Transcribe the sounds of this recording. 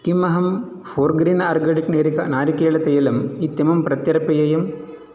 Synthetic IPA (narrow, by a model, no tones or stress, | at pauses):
kimɐɦɐm | foːrɡɾinɐɐrɡɐɽikneːɾikɐnaːɾikeːɭɐt̪ɐjɐlɐmit̪ːjɐmɐmprɐt̪jɐɾɐpɐjɐjɐm